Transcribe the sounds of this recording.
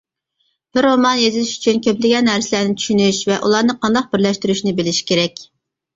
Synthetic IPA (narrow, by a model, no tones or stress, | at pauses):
b̥ɪɾomɑnjezɪlɪʃy̥t͡ʃʰynkʲøplɪɡʲɛnːæɾsɪlæɾnɪt͡ʃ̪ʰy̥ʃynyʃvɛʔulˠɑɾnɨqʰɑnd̪ɑq̚bɪɾlɛʃt̪yɾyʃnɪbɪlɪʃkʲʰeɾɛkʲ